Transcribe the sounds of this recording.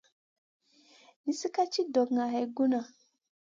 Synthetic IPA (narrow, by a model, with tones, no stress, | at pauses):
ni˨˦si˦ka˦t͡ʃi˦dɔ˨kŋa˨ɦɛ˨ɡu˦na˨